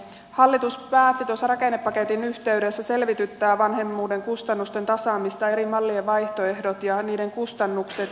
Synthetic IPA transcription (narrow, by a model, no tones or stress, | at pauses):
hɑlːit̪uspæːt̪ːit̪uosːɑrɑke̞nːepːɑke̞t̪inyht̪e̞yde̞sːæse̞lʋit̪yt̪ːæːʋɑnhe̞mːuːde̞ŋkust̪ɑnːust̪e̞nt̪ɑsɑːmist̪ɑe̞ɾimɑlːieʋɑjht̪oe̞hdot̪jɑniːde̞ŋkust̪ɑnːukse̞t̪